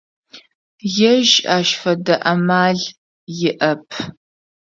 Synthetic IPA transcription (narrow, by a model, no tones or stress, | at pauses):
jɛʒaːʃfɐdɐʔɐmaːɮ | jɪʔɐpʰ